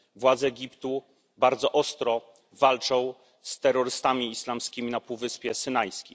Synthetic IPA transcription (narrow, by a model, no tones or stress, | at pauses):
vwad̪zɛːɡʲipt̪u | baɾd̪zɔʔɔst̪ɾɔ | valt͡ʂɔ̃w̃ | st̪ɛɾːɔɾɘst̪amʲiːslamskʲimʲinapuvɘspʲjɛsɘnajskʲij